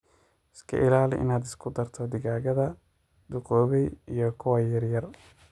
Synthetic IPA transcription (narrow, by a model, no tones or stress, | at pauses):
ɪskʰɐ̰ʔɪlaːlɪʔɪ̰naːd̪ɪ̥skʰʊd̪ɐrt̪ʰɔd̪ɪɣaːɣɐðɐ | d̪̥ʊqɔːβɛjijɔkʰʊwɐjɐrjɐr